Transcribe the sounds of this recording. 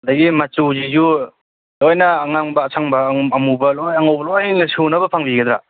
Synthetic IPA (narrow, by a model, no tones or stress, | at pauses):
d̪ɐɡimat͡ʃuzizu | lojnɐːŋaŋbɐːsʰaŋbɐːmubɐlojaŋowbɐlojnɐsunɐbɐpʰaŋbiɡed̪ɾa̰